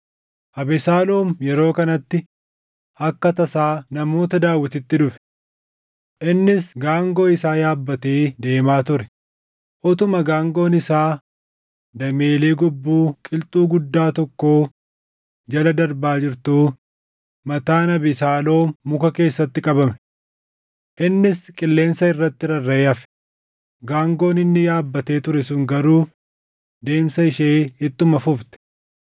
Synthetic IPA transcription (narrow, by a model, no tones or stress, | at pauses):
ʔɐbɛsaːlo̞ːmjɛɾo̞ːkɐnɐt̪ːɪ | ɐkːɐt̪ɐsaːnɐmo̞ːt̪ɐd̪aːwːɪt̪ɪt̪ːɪdʊfɛ̥ | ʔɪnːɪsɡaːŋɡo̞ːɪsaːjaːbːɐt̪eːd̪e̞ːmaːt̪ʊɾɛ | ʔɔt̪ʊmɐɡaːŋɡo̞ːnɪsaː | d̪ɐme̞ːle̞ːɡɔbːuːkʼɪlt̪ʼuːɡʊd̪ːaːt̪ɔkːo̞ː | d͡ʒɐlɐd̪ɐɾbaːd͡ʒɪɾt̪uː | mɐt̪aːnɐbɪsaːlo̞ːmʊkɐke̞ːsːɐt̪ːɪkʼɐbɐmɛ̥ | ʔɪnːɪskʼɪlːe̞ːnsɐɪrːɐt̪ːɪɾɐrːɐɐfɛ̥ | ɡaːŋɡo̞ːnɪnːɪjaːbːɐt̪e̞ːt̪ʊɾɛsʊŋɡɐɾuː | d̪e̞ːmsɐɪʃeːhɪt̪ːʊmɐfʊft̪ɛ̥